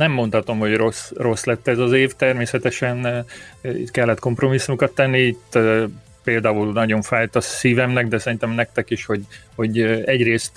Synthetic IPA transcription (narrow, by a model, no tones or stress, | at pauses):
nɛmːo̞nt̪hɒt̪o̞mho̞ɟro̞sro̞slɛt̪ːɛzɒzeːft̪ɛrmeːsɛt̪ɛʃɛn | ḭt̪kɛlːɛt̪ko̞mpro̞misːumukɒt̪ːɛnːiiːt̪ | peːld̪aːulnɒɟo̞ɱfaːjt̪ɒsiːvɛmnɛɡd̪ɛsɛɾint̪ɛmnɛk̚t̪ɛkiʃho̞ɟho̞ɟɛɟreːst̪